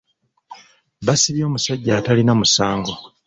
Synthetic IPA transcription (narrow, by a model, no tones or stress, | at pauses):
βasiβjo̞ːmusaɟːaːtalinamusaːŋɡo